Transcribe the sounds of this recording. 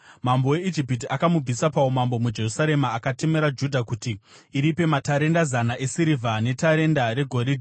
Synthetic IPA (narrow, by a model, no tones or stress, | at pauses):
mambo̞we̞id͡ʒipit̬iʔakamub͡visapaomambo̞mud͡ʒe̞rusaɾe̞maːkate̞me̞ɾad͡ʒudʱakutiː | ɾipe̞mataɾe̞ndazanaʔe̞siɾivʱane̞taɾe̞ndaɾe̞ɡʱo̞ɾidʱi